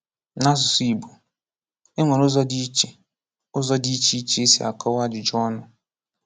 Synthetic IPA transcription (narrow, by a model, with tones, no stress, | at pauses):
na˦s̬ʊ˨si˨bu˨ | e˦ŋʷe˨nʊ˦zɔ˦di˦t͡ʃe˨ | ʊ˦zɔ˦di˦t͡ʃi˦i˦t͡ʃe˦e˦sḭ˨a̰˨kɔ˦wa˦d͡ʒɪ˨d͡ʒɔ˦nʊ˦